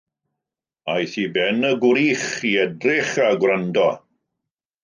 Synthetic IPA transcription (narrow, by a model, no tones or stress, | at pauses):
ajθibɛnəɡwɾiːχiɛdrɪχaɡwrɾandɔ